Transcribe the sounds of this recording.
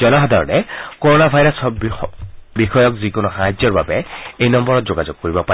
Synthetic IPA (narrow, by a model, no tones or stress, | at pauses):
ɔnaɦɔdʱɔɹɔnɛkɔɹɔnabʱajɹasɔb | bixɔjɔkzikonʊxaɦazɔɹbabɛejnɔmbɔɹɔtzoɡazɔɡ̚kːoɹibɔpa